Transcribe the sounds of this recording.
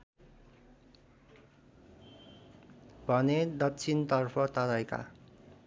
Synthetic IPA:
bʱʌned̪ʌkt͡sʰint̪ʌrpʰʌt̪ʌɾʌjka̰

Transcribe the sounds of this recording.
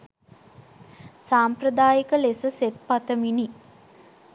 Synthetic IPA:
saːmprəd̪aːjikəlesəset̪̚pat̪əmini

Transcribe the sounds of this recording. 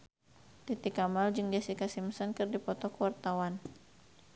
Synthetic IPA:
t̪it̪ikamald͡ʒɨŋd͡ʒasikasimsɔnkɨrdipɔt̪ɔkəwart̪awan

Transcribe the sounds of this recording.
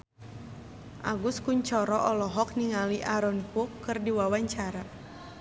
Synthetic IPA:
ʔa̰ɡuskuɲt͡ʃɔɾɔʔɔlɔɦɔk̚niŋaliʔaɾɔnkukːɨrdiwawaɲt͡ʃaɾa

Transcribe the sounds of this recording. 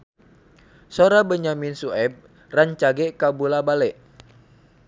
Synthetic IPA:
soɾabəɲaminsuɛb̚ | raɲt͡ʃaɡɛʔkabulabalɛʔ

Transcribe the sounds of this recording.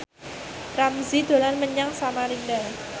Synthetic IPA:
ramzid̪̥o̤lanməɲaŋsamalinda

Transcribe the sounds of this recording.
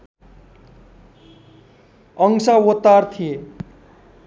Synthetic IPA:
ʌŋsawot̪ːart̪ʰije

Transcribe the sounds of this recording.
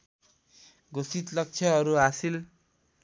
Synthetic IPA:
ɡosit̪lʌk̚t͡sʰʌʌɾuɦasil

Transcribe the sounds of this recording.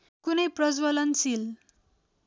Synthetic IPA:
kunʌjprʌd͡zwʌlʌnt͡sil

